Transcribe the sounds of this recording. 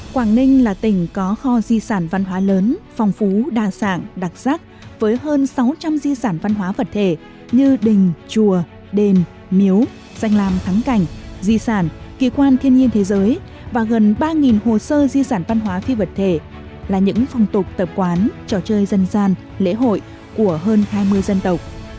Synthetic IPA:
kwaː˧˩ŋnï˧ŋ̟laː˨˩t̪ï˧˩ŋ̟kɔ˨˦xɔ˧zi˧saː˧˩nva˧nɦwaː˨˦ləː˨˦nfɔ˨˩wŋ͡mfu˨˦ɗaː˨˩sa̰ː˧˩nɗa˨˩k̚z̥aː˦˥k̚ | vəː˨˦jɦəː˧nsa˨˦wt͡ɕa˧mzi˧saː˧˩nva˧nɦwaː˨˦və˨˩t̚t̪ʰe˧˩ | ɲɨ˧ɗï˨˩ŋ̟t͡ɕu˧˩ə | ɗe˧˩n | mi˨˦əw | za˧jŋ̟laː˨˩mt̪ʰa˨˦ŋka˧˩jŋ̟zi˧saː˧˩nki˧˩kwaː˧nt̪ʰi˧ənɲi˧ənt̪ʰe˨˦zəː˨˦j | vaː˨˩ɣə˨˩nɓaː˧ŋi˨˩nho˨˩səː˧zi˧saː˧˩nva˧nɦwaː˨˦fi˧və˨˩t̚t̪ʰe˧˩ | laː˨˩ɲɨ̰˧˥ŋfɔ˨˩wŋ͡mt̪ʊ˨˩k͡p̚t̪ə˨˩p̚kwaː˨˦nt͡ɕɔ˧˩t͡ɕəː˧jzə˧nzaː˧n | lḛ˧˥ɦo̰˧˨j | ku˧˩əɦəː˧nhaː˧jmɨ˧əjzə˧nt̪ə˨˩wk͡p̚

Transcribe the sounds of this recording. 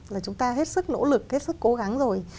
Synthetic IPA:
laː˨˩t͡ɕʊ˨˦ŋ͡mt̪aː˧ɦe˦˥t̚sɨ˦˥k̚no̰˧˥lɨ˨˩k̚he˦˥t̚sɨ˦˥kːo˨˦ɣa˨˦ŋzo˨˩j

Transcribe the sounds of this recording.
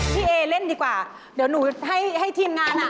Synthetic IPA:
t̪ʰi˧˩ʔe˧˩le˧˥˨nɗi˧˩kwaː˧˩ | ɗe˨˩˦nu˧˩˦ɦa˧˩jha˧˩jt̪ʰi˧mŋaː˧na˧˩

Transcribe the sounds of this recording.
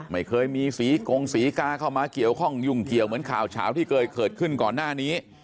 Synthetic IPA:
ma˥˩jkʰɤː˧jmiː˧siː˩˦ko˧ŋsiː˨˩˦kaː˧kʰa˥˩wmaː˧ki˨˩əwkʰɔ˥˩ŋju˨˩ŋki˨˩əwmɯ˩˦ənkʰa̰ː˨˩wt͡ɕʰa̰ː˩˦wt̪ʰiː˥˩kʰɤː˧jkʰɤː˨˩t̪̚kʰɯ˥˩nkɔː˨˩nːaː˥˩niː˦˥

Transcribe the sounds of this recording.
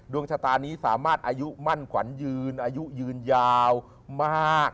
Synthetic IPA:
du˧əŋt͡ɕʰaː˧t̪aː˧nːiː˦˥saː˩˦maː˥˩t̪̚ʔaː˧ju˦˥ʔma˥˩nkʰwa̰˩˦njɯː˧nʔaː˧ju˦˥ʔjɯː˧njaː˧w | maː˥˩k̚

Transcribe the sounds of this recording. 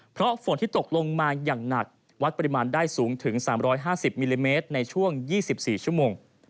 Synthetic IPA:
pʰɾɔ˦˥fo˨˩˦nt̪ʰiː˥˩t̪o˨˩k̚lo˧ŋmaː˧jaː˨˩ŋna˨˩k̚ | wa˦˥t̪̚pa˧ɾi˧maː˧ndaː˥˩jsuː˩˦ŋt̪ʰɯ˩˦ŋsaː˩˦mɾɔː˦˥jɦaː˥˩si˨˩p̚miː˧liː˧meː˦˥t̪̚na˧jt͡ɕʰu˥˩əŋjiː˥˩si˨˩p̚siː˨˩t͡ɕʰu˥˩moː˧ŋ

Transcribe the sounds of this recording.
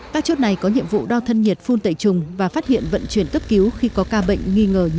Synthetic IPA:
kaː˦˥k̚t͡ɕo˦˥t̚na˨˩jkɔ˨˦ɲḭ˧˨əmvṵ˧˨ɗaː˧wt̪ʰə˧nɲi˨˩ət̚fu˧nt̪ə̰˧˩˨jt͡ɕʊ˨˩ŋ͡mvaː˨˩faː˦˥t̚hḭ˧˨ənvə̰˧˨nt͡ɕwi˨˩ənkə˦˥p̚ki˨˦wxi˧kɔ˨˦kaː˧ɓə̰˧˨ŋ̟ŋi˧ŋəː˨˩

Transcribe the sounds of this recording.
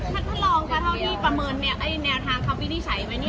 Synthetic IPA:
t̪ʰa˦˥˩t̪ʰa˧˥˩lɔː˧ŋk̪ʰɔː˥˩t̪ʰa˥˩niː˥˩pɾa˧mɤː˧nː˧ʔa˧˩jnɛː˧wt̪ʰaː˧ŋkʰa˧˥˩wpiː˧˥˩niː˥˩t͡ɕʰa˩˦jma˦jni˥˩

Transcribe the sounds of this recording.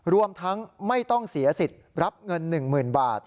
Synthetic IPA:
ɾu˧əmt̪ʰa˦˥ŋma˥˩jt̪ɔ˥˩ŋsi˩˦ɐsi˨˩t̪̚ɾa˦˥p̚ŋɤ˧nːɯ˨˩ŋmɯː˨˩nbaː˨˩t̪̚

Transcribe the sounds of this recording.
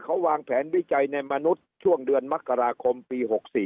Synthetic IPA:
kʰa˦˥waː˧ŋpʰɛː˩˦˥nwi˦˥˩t͡ɕa˧jna˧jma˧nu˦˥t̪̚t͡ɕʰu˥˩əŋdɯ˧ənma˦˥kːa˧ɾaː˧kʰo˧mpiː˧ɦo˨˩k̚siː˨˩

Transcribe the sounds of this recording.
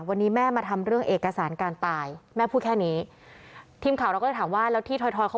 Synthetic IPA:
wa˧nːiː˦˥mɛː˥˩maː˧t̪ʰa˧mɾɯ˥˩əŋʔeː˨˩kːa˧saː˩˦nkaː˧nt̪aː˧jmɛː˥˩pʰuː˥˩kʰɛː˥˩niː˦˥ | t̪ʰiː˧mkʰa˨˩˦ɾkːtʰaː˩˦mwaː˥˩lɛː˦˥t̪ʰiː˥˩t̪ʰɔ˧jt̪ʰɔː˧jkʰa˦˥

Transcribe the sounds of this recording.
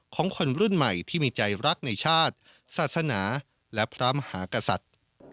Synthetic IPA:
kʰɔː˩˦ŋkʰo˧nɾu˥˩nma˨˩jt̪ʰiː˥˩miː˧t͡ɕa˧jɾa˦˥k̚na˧jt͡ɕʰaː˥˩t̪̚ | saː˨˩t̪̚sa˧naː˩˦ | lɛ˦˥pʰɾaː˦˥mhaː˩˦ka˧sa̰˨˩t̪̚

